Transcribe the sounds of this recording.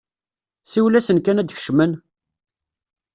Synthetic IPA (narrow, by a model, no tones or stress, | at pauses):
siwlæsənkænæd̪çə̥ʃmən